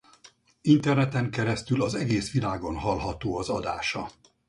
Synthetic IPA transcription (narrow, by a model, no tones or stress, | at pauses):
int̪ɛrnɛt̪ɛŋkɛɾɛst̪ylɒzɛɡeːsʋilaːɡo̞nɦɒlɦɒt̪oːɒzɒd̪a̰ːʃɒ